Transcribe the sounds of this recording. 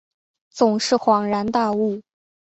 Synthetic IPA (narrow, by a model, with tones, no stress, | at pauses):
t͡sʊ˨˩ŋʂɻ̩˥˩xwɑ˨˩ŋɻa˧˥nt̪a˥˧u˥˩